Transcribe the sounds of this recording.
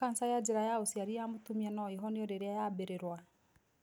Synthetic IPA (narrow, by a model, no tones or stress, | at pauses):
an̩sajad͡ʒiɾajaosiaɾiamotumiɛnɔiɦɔneɔɾeɾajabeɾeɾwa